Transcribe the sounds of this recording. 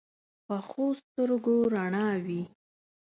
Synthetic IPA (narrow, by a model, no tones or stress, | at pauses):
pəxost̪əɾɡoɾaɳɑwi